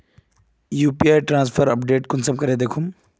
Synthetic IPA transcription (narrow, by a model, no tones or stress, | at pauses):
juːpiaːjʈɾãːnspʰəɾɐpɖeːʈkʊnsɐmkɐɾed̪eːkʰum